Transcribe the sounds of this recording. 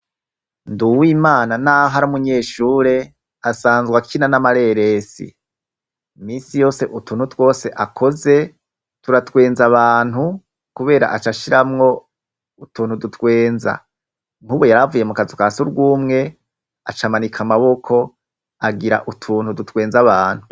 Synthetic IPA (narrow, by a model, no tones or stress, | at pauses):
nduwiːmaːnanaɦaɾumuɲe̞ːʃuːɾe̞ | asaːnzɡwakʰinanamaɾe̞ɾe̞sḭ | miːnsijo̞ːse̞ʔutuːn̥hutwo̞ːse̞ʔakʰo̞ze̞ | tuɾatwe̞ːnzaβaːn̥hu | kuβe̞ːɾa̰ʔat͡ʃaʃiɾamŋo̞ | utʰuːnhudutwe̞ːnza̰ | ŋ̥huβojaɾavuje̞mukazukasuɾɡuːmŋe̞ | at͡ʃamanikʰamaβo̞kʰo̞ | aɡiɾa̰ʔutʰuːnhudutwe̞ːnzaβaːn̥hu